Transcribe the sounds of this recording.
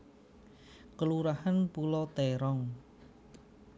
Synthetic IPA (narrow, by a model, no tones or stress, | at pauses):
kəluɾahanpulɔt̪ɛɾɔŋ